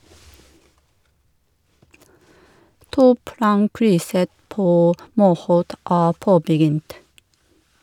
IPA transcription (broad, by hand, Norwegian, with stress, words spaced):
ˈtuːˌplɑːŋˌkɾʏsə ˈpoː ˈmuːˌhoːt ˈæː ˈpoːbəˌɡʏnt